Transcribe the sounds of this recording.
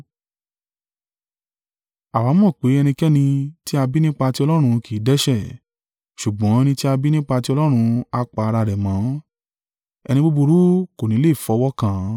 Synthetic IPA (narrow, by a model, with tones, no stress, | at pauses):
a˨wa˨˦mɔ̃˦˨k͡pe˨˦ɛ˧nĩ˧kɛ˦nĩ˧ti˦a˧bi˦nĩ˦k͡pa˧ti˦ɔ˧lɔ˦ɾ̃ũ˧kʰi˨˦dɛ˦ʃɛ˦˨ | ʃu˨ɡ͡bɔ̃˨˦ɛ˧nĩ˧ti˦a˧bi˦nĩ˦k͡pa˧ti˦ɔ˧lɔ˦ɾ̃ũ˧a˧k͡pa˧a˧ɾa˧ɾɛ˨mã˨˦ | ɛ˧nĩ˧ɡ͡bo˦˧bo˧ɾu˦ko˨nĩ˨˦le˦˨fɔ˨˧˦wɔ˦kã˧˦